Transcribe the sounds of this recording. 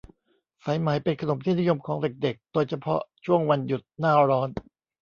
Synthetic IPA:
fa˨˩˦jma˨˩˦jpe˧nkʰa˧no˩˦mt̪ʰiː˥˩ni˦˥˦jo˧mkʰɔː˩˦ŋde˨˩k̚de˨˩k̚d̪oː˧jt͡ɕʰa˧pʰɔ̰˦˥t͡ɕʰu˥˩əŋwa˧nju˨˩t̪̚naː˥˩ɾɔː˦˥n

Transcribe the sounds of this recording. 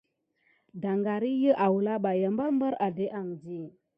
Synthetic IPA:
da˨ŋɡa˨ɾi˦jə˦ʔa˨wu˨la˦ɓa˨jə˨mba˦lmbə˦ɾa˨de˦ʔa˨ŋd͡ʒi˦˨

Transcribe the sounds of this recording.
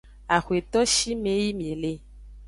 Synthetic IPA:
a˨xwe˨t̪ɔ˦ʃi˦mẽ˨˦ji˦mĩ˨e˨le˦

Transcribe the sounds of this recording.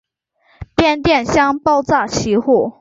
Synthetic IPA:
pjɛ˥˧nt̪jɛ˥˩nɕjɑ˥ŋpɑ˥˧ʊt͡sa˥˩t͡ɕʰi˧˥xu˥˩

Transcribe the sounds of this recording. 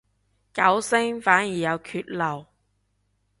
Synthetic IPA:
kɐ˨˥wsɪ˥ŋfaː˨˥njiː˨˩jɐ˨˧wkʰyː˧t̚lɐ˨˩w

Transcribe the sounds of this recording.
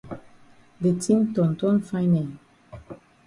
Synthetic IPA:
de˨tʰĩ˦mtɔ̃˨ntɔ̃˦nfa˦jnɛ˨n

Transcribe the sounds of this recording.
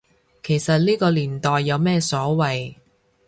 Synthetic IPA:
kʰe˨˩jsɐ˨t̚liː˥kɔː˧liː˨˩nt̪ɔː˨jːɐ˨˧wmɛː˥sɔː˨˥wɐ˨j

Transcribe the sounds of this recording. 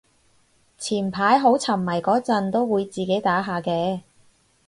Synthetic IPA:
t͡sʰiː˨˩npʰaː˨˥jɦo˨˥wt͡sʰɐ˨˩mːɐ˨˩jkɔː˨˥t͡sɐ˧nt̪o˥wwuː˨˧jt͡siː˨ke˨˥jt̪aː˨˥ɦaː˨kɛː˧

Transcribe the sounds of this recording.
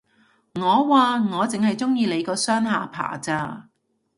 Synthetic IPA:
ŋɔː˨˧waː˨˧ŋɔː˨˧t͡sɪ˨ŋhɐ˨jt͡sʊ˥ŋjiː˧le˨˧jkɔː˧sœː˥ŋhaː˨˧pʰa̰ː˨˩t͡saː˧

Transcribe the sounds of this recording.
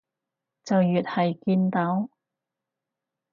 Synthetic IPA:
t͡sɐ˨wjyː˨t̚hɐ˨jkiː˧nt̪ɐ˨˥w

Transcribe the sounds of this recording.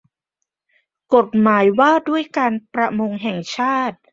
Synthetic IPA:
ko˨˩t̪̚maː˩˦jwaː˥˩du˥˩əjkaː˧npɾa˧mo˧ŋɦɛ˨˩ŋt͡ɕʰaː˥˩t̪̚

